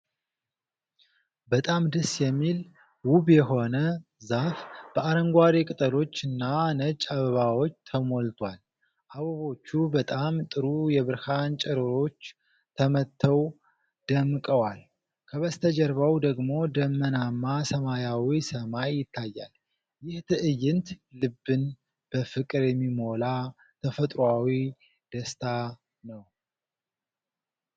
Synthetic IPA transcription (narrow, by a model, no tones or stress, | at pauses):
bət̪ʼamd̪ɨsjɛmːil | wuβjɛho̞nə | zafb̥əaɾəŋɡʷaɾikʼɨt̪ʼəɾo̞t͡ʃːɨnːanət͡ʃʼaβəβawo̞t͡ʃːt̪ʰəmo̞lt̪ʰwal | ʔaβəβo̞t͡ʃːubət̪ʼamt̪ʼɨɾujɛβɨɾhant͡ʃʼɛɾɨɾo̞t͡ʃː | t̪ʰəmət̪ʰːəw | d̪̥əmkʼəwal | kʰəβəst̪ʰəd͡ʒɛɾβəwd̪əɡmo̞d̪əmːənamːasəmajawisəmajːɪt̪ʰːajːa̰l | jɪht̪ʰɨʔɨjːɪnt̪lɨbːɨn | b̥əfɨkʼɨɾjɛmːimo̞la | t̪ʰəfət̪ʼɾawi | d̪̥əst̪ʰa | nəw